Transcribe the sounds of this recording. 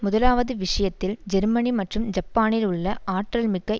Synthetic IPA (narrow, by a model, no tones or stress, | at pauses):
mʊðɐlaːʋɐðɯʋɪʂɐjɐt̪ːɪld͡ʒɛɾmɐnimɐʈrɯmd͡ʒɐpːaːnɪlʊɭːɐʔaːʈrɐlmɪkːɐ